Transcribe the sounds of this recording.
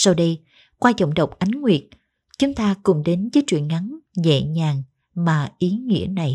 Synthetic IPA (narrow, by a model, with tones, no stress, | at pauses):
sa˧wɗə˧j | kwaː˧t͡ɕə̰˧˨wŋ͡mɗə˨˩wk͡p̚ʔa˨˦jŋŋwi˨˩ət̚ | t͡ɕʊ˨˦ŋ͡mt̪aː˧kʊ̰˨˩ŋ͡mɗe˨˦nvəː˨˦jt͡ɕwḭ˧˨ənŋa˨˦nzɛ̰˧˨ɲaː˨˩ŋ | maː˨˩ʔi˨˦ŋḭ˧˥əna˨˩j